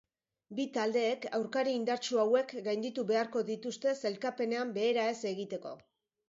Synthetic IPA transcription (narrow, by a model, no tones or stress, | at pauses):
bit̪ald̪e̞ːka̰wɾkaɾiiːnd̪aɾt͡ʃuawe̞kɡajnd̪it̪uβe̞aɾko̞ðit̪ust̪e̞se̞lkape̞ne̞ambe̞ːɾae̞se̞ɣit̪e̞ko̞̰